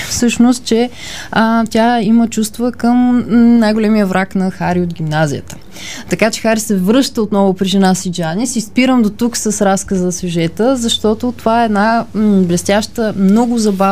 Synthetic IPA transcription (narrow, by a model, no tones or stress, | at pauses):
fsɤʃnost̪̚t͡ʃɛ | ət̪ʲaimət͡ʃust̪vəkɤmnajɡolɛmiəvɾaknɐxaɾiod̪ɡʲimnazḭjət̪ə̥ | t̪ɐkat͡ʃɛ̥xaɾisɛvɾɤʃt̪əot̪nɔvʊpɾiʒɛnasid͡ʒanisispiɾəmd̪ot̪uksəsɾaskəzɐsʲuʒɛt̪əzɐʃt̪ɔt̪ot̪ovaɛɛd̪nablɛst̪jaʃt̪əmnɔɡʊzɐba